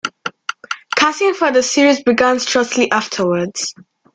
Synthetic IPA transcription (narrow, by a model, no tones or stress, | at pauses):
kʰasɪ̃ŋfəðəsiɹizbɪɡãnstɹ̥ʌk̚tʰliʔaftʰəwədz̥